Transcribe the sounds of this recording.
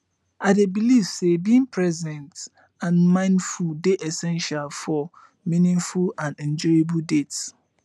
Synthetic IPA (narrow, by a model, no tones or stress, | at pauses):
adebilifsebĩnpʰɹɛzɛ̃nt | ãnmãɪ̃ndfuldeʔɛsɛ̃nʃalfɔ | mĩnĩŋfulãnɛ̃nd͡ʒɔebuldets